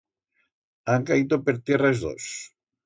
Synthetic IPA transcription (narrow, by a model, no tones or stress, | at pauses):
aŋkaiðopeɾt̪jerazðo̰s